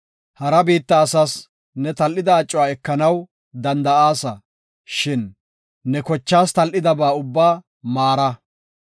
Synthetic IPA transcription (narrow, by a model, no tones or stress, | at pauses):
hɐɾɐbiːt̪ːɐːsɐs | nɛt̪ɐlʔɪd̪ɐːt͡ʃʼːʊaːɛkːɐnɐw | d̪ɐnd̪ɐaːsɐ | ʃɪnː | ɛkɔt͡ʃːaːst̪ɐlʔɪd̪ɐbaːʊbːaː | maːɾɐ